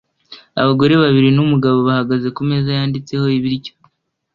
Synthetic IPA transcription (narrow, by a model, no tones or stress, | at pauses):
a̰βaɡo̞ɾe̞βaβiɾinumuɡaβo̞βahaɡaze̞kume̞zajaːndit͡se̞ho̞iβiɾɟo̥